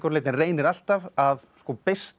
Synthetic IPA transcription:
kɔɾlejt̪ɪnreːjnɪɾal̥t̪avaðskɔːpest̪

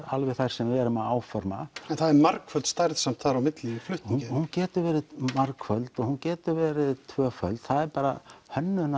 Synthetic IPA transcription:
alvɛθajɾ̥sɛmvɪɛɾʏmaaːwfɔɾmaɛnθaðɛɾmaɾkfœlt̪st̪ajɾðsam̥t̪θaɾawmɪt̪liflʏht̪unhuncɛːt̪ʏɾvɛːɾɪðmaɾkfœlt̪ɔɣhuncɛːt̪ʏɾvɛːɾɪðt̪ʰvœːfœlt̪θaðɛɾpaːɾa̰hœnːʏna

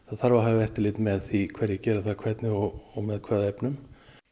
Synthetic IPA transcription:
θaðθaɾvaɦaːvɪɛft̪ɪɾlɪːt̪mɛðθikʰvɛɾjɛcɛːɾaθaðkʰvɛt̪nɪɔɔɣmɛðkʰvɛːðaɛpnʏm

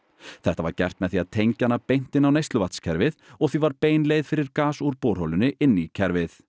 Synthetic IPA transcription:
θɛht̪ava̰ɾcɛr̥t̪mɛðθiaðt̪ʰejɲcanːapejn̥t̪ɪnawnejst̪lʏvat̪scʰɛɾvɪðɔɣθɥivaɾpeːjnlejðfɪɾɪɾkaːsuɾpowɾ̥holʏnɪʔɪnːicʰɛɾvɪθ

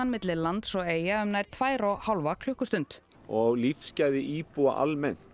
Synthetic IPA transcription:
anmɪt̪lɪlant̪sɔeːjaœmnajɾ̥t̪ʰvaːjɾɔɣhalvakʰl̥ʏhkʏst̪ʏnt̪ | ɔɣlifscajðɪʔiːpua̰ʔa̰lmɛn̥

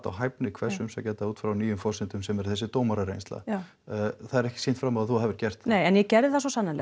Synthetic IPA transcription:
t̪a̰wɦajpnɪikʰvɛ̥sːʏmsacɛːt̪auːt̪fɾawniːjʏmfɔr̥sɪnt̪ʏmsɛmɛɾ̥θɛs̬ɪt̪oːwmaɾaɾḛjnst̪la̰ | θaðɛɾɛhcɪ̥seːnt̪fɾamaðaθuahavɪɾcɛr̥t̪nejɛnjɛcɛɾðɪθasɔsanːanlɛ̰

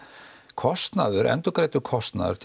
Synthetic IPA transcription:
kʰɔst̪na̰ðʏɾʔɛ̰nt̪ɔkɾejt̪ʏkʰɔst̪na̰ðʏ̰ɾ̥t̪ʰ

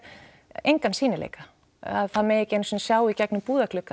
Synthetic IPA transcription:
ejŋkansiːnɪlḛːjka | a̰ðθaðmɛðɛjcɪejnsɔːnsjaːwicɛknʏmpuːðaklʏkːa

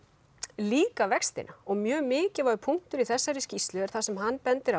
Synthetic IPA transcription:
liːkavɛkst̪ɪ̰na̰ɔɣmjœːɣmɪːcɪɾvaɾʏpʰum̥t̪ʏɾiθɛsːaɾɪscist̪lʏɛɾ̥θasɛmɦanːpɛnt̪ɪɾa

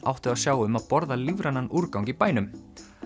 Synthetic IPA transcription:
a̰wht̪ɪðaðsjaːwʏmaðpɔɾðalivɾanːanuɾkawŋkipaːjnʏm

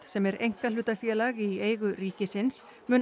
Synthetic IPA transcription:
t̪sɛmɛɾejŋ̥kalʏːt̪afjɛːlaɣieːjɣʏriːcɪsɪns | mʏːn

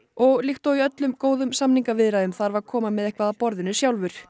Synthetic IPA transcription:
ɔɣlixt̪owiœt̪lʏmkoːwðʏmsamniŋkavɪðɾaðʏmθaɾvaɾkʰɔːmamɛðehkvaðapɔɾðɪnʏsjawlvʏɾ̥

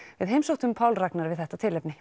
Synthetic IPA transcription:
vɪðɦejmsowt̪ʏmpʰaːwlraknaɾvɪðθɛht̪at̪ʰɪlœpnɪ

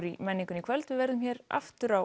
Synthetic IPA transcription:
ɾimɛnːiŋkʏnikʰv̥ɛlt̪vɪvɛɾðʏmçɛːɾa̰ft̪ʏɾa

